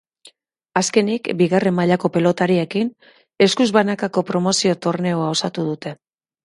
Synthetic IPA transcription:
aske̞nikbiɣare̞mːaʎako̞pe̞lot̪aɾiekin | e̞skuzβanakako̞pɾo̞mo̞sio̞t̪o̞rne̞oao̞sat̪uð̞ut̪e̞

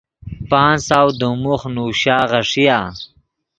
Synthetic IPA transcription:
paːnsaːwd̪umuχnuːɕaːʁɐʂijaː

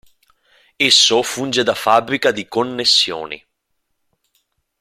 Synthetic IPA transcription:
esːofund͡ʒed̪afabːɾikad̪ikonːesːjo̰ːnḭ

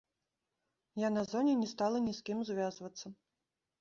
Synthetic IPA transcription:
janazɔnʲɛnʲɛst̪alˠɐnʲiskʲimzvʲazvɐt̪sːɐ

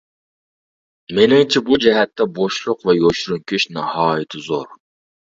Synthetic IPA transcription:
menɪŋt͡ʃʰɛbud͡ʒɛɦɛt̪ʰːɛboʃlˠʊqvɛjoʃɾuŋkʲʰyʃnɑhɑːjɪt̪ʰɪzo̰ɾ

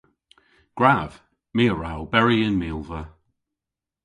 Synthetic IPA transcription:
ɡ̥ɹav̥ | miːəɹawbɛɹiənmiːlˠvə

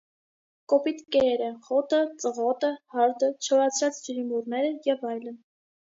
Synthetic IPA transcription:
kɔpit̪kɛɛɾəχɔt̪ət͡səʁɔt̪əhɑɾd̪ət͡ʃʰɔɾɑt͡sʰɾɑt͡sd͡ʒəɾimurnɛɾəjɛvɑjlən

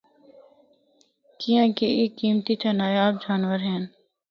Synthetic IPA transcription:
kijãːkeeːkːiːmt̪it̪ʰanaːjaːb̚d͡ʒaːnʋəɾɦɛːn

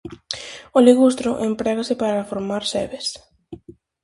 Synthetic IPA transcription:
oliɣust̪ɾʊʔempɾɛɣasɪpaɾafoɾmaɾsɛβes

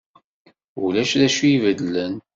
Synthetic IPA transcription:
ulæʃðæʃuivəd̪lən

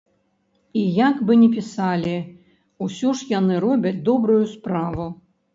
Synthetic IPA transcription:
ijakbɨnʲɛp̬ʲisalʲi | usʲɔʂjanɨɾɔbʲɐt͡sʲd̪ɔbɾujuspɾavu

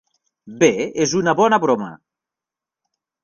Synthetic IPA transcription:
beezunɐβɔnɐβɾomɐ̰

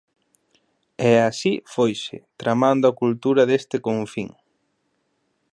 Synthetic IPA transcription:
ɛasifojʃɪ̰t̪ɾamand̪oakult̪uɾɐðest̪ɪkoɱfiŋ

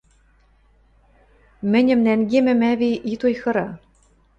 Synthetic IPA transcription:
mɘ̆nʲɘ̆mnæŋɡemɘ̆mæβiʔit̪ujxɤ̆ɾɑ

